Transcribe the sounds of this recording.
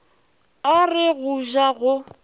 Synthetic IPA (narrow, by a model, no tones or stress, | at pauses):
orɪɣuʒaɣʊ